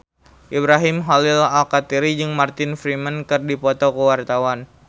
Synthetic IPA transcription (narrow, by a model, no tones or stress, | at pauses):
ʔibɾaɦimɦalɪlalkat̪iɾid͡ʒɨŋmart̪ɪnfɾimənkɨrdipɔt̪okəwart̪awan